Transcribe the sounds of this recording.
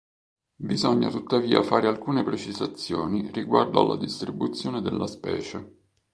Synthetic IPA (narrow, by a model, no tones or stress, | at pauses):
bizɔɲːa̰t̪ut̪ːaviːa̰faːɾealkuːnepɾet͡ʃizat̪sːjoːniriɡward̪oa̰lːa̰d̪ist̪ɾibut̪sːjoːned̪elːʔaspɛ̰ːt͡ʃe